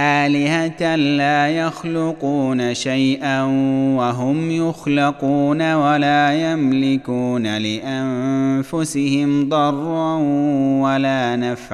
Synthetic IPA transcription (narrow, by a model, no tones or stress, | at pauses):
ʔaːlɪhat̪anlaːjɑxlʊquːnaʃajʔanwaɦʊmjʊxlɪquːnawalaːjamlɪkuːnalɪʔanfʊsɪhɪmd̪ˤɑrˤːɑnwalaːnafʕ